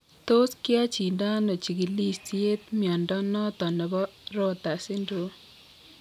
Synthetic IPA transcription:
t̪o˦skɪ˦a˦t͡ʃi˨nda˦no˨t͡ʃi˨ɡi˨li˦sti˦e˦t̪mjɔ˨ndɔ˦nɔ˦t̪ɔ˨nɛ˨bɔ˦ɾɔ˦t̪a˨sɪ˦ndo˨˦

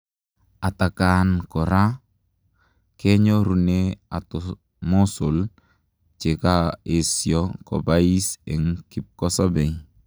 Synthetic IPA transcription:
a˨ta˨ka˨nkɔ˨ɾa˦ | kɛ˦ɲɔ˦ɾu˨nea˨tɔ | mɔ˦so˨l | t͡ʃe˨ka˦e˨sjɔkɔ̰˨bai˦sɛ˨ŋki˨p̚kɔ˦sa˦bɛ˨j

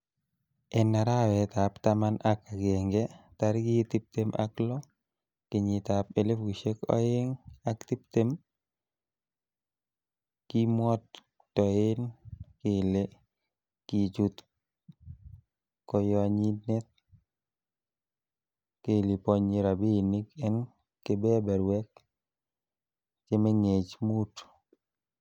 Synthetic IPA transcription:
ɛna˨ɾa˦wɛ˨t̪a˨pt̪amana˦ka˨ɡeŋɡɛ˦t̪aɾɡɪt̪i˦p̚t̪emʔa̰klɔ | kɪɲit̪ape˨le˦fɡu˨ʃe˦kɔ̰ɪ˦ŋakt̪i˦p̚t̪em | ki˦mwɔ˦t̚ | tɔ˨ɪ˦nke˨le | ki˨t͡ʃu˦t̪ | kɔ˧jɔ˦ɲi˦dnɛ˦t̪̚ | ke˦˨li˨pɔ˦ɲi˨ɾa˨bi˦˨nɪ˦kɛ˦n | ke˦bɛ˦bɛ˨ɾwɛ˦k | t͡ʃe˦mɛ˦ŋe˨t͡ʃmu˦t

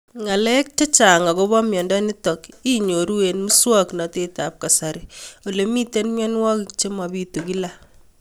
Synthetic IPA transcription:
ŋa˨lɛ˦k̚t͡ʃɔ˦t͡ʃa˨ŋa˨ko˦bɔ˦mjɔ˨ndɔ˦ni˦tɔ˨ki˦ɲo˨ɾu˦e˨nmu˦swɔ˦kna˨te˦ta˨p̚ka˨saɾio˨le˦mi˦te˦nmjɔ˦n˦wɔ˦ki˨˦kt͡ʃe˦ma˨bi˦tu˨ki˦la˦

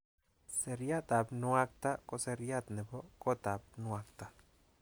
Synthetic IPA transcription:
se˧ɾja˦t̪a˨bnwa˦k̚t̪a˦ko˦se˧ɾja˦t̪ne˨bo˦ko˦t̪a˨b̚nu˦a˧kt̪a˧

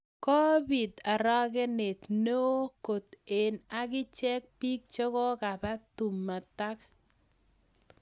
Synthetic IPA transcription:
ko˦bi˨da˨ɾɔ˦kɛ˦ne˨t̪no˦ko˨t̪e˨na˨ɡɪ˦t͡ʃɛ˦k̚pi˦k̚t͡ʃo˦kɔ˦ka˨pa˦tu˨mːa˨ta˦k

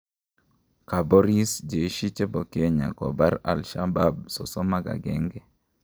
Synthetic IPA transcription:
ka˨bo˦ɾi˦sd͡ʒe˨˦ʃi˦t͡ʃe˦bo˨ke˦ɲa̰˨kɔ̰˨ba˦ɾa̰˨lʃa˦ba˦bso̰˨so˦ma˦ɡa̰˨ɡɛ˦ŋɡɛ˨

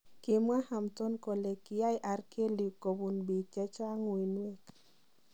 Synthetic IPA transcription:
kɪ˨mwa˦ha˨mtɔ˦nko˨le˨ki˨ja˦jʔa˨rke˦li˨ko˨bu˨nbi˨kɛ˦t͡ʃa˦ŋwi˨nwe˦k

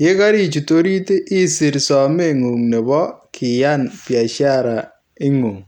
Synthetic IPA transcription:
je˦ka˦ɾi˦t͡ʃu˨to˦ɾi˦te˦ʔi˦si˨ɾsɔ˨me˦˨ŋu˨ŋne˨bɔ˦kʰi˨ja˦˨npja˨t͡ʃa˦ɾa˨ | ɪ˦ŋu˨ŋ

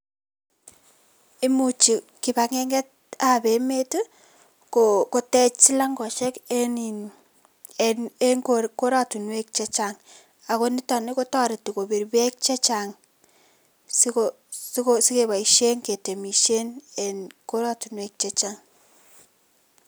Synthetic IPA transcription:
i˦mu˨t͡ʃi˨ | kɪ˨ba˨ŋɛ˦ŋɡɛ˦t̚a˦be˨me˦tu˦ | koko˨tɛ˦t͡ʃsi˦la˦ŋɡɔ˨ʃɛ˦keni˨n | ene˦ŋkoɾko˦ɾa˦tu˨nwe˦k̚t͡ʃɛ˦t͡ʃaŋ | a˨ko˦ni˦tɔ˨nɪ˦ko˦tɔ˦ɾe˨ti˨ko˨bi˨ɾbɛ˦k̚t͡ʃɛ˦t͡ʃaŋ | si˦ko | skosi˦ke˨βa˨i˨ʃe˦ŋke˨te˨mi˨ʃe˦ne˨nko˦ɾatu˨nwe˦k̚t͡ʃe˦t͡ʃaŋ

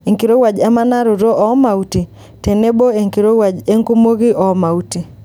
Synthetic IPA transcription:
e˨ŋki˨ɾo˦wa˨d͡ʒa˦ma˦na˦ɾʊ˨ɾo˦ʔɔ˨ma˨u˦ti˨ | te˨ne˦bo˦e˨ŋki˨ɾo˦wa˨d͡ʒe˦ŋku˦mo˦ɡi˦ʔɔ˨ma˨u˦ti˨

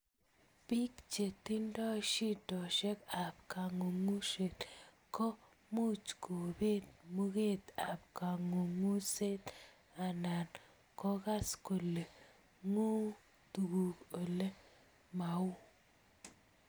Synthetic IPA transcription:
pi˦kt͡ʃe˨t̪i˦ndɔ˦ʃi˦dɔ˨ʃɛ˦ka˨p̚ka˨ŋo˨ŋu˦se˨t̪ | kɔ˦ | mu˦t͡ʃko˨be˦t̪̚mu˦ɣe˦˨t̪a˨pka˨ŋo˨ŋu˦se˦t̪ | a˨na˨n | kɔ˦ka˦sko˨le˨ | ŋo˦ | t̪u˨ɡu˨ko˨le˦ | ma˨u˦

